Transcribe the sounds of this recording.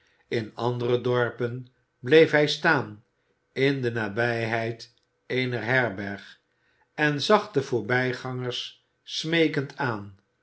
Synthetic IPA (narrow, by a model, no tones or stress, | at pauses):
ɪnɑ̰ndərədɔɹpən | blejfɦɛjstaːn | ɪndənaːbɛjɦɛjt | ejnəɹɦɛɹbɛɹχ | ɛnzɑχdəv̥ʊːɹbɛjχɑŋəɹsː | mejkəntʰaːn